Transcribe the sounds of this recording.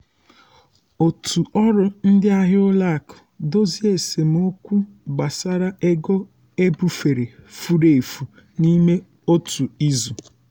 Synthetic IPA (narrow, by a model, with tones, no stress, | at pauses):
o˨tʰu˨ɔ˦ɾʊ˦n̩˦dɪ˦a˦ɦɪ˦ʊ˦la˦a˨kʊ̥˨do˦zi˦e˨se˨m̩˦o˦kʷu˦ | ɡ͡ba˨sa˦ɾa˦e˦ɡɔ˦ | e˦bu˨fe˨ɾe˨fu˦ɾe˨e˨fu˨ | ni˦me˦ | o˦tʰu˨i˦zu˨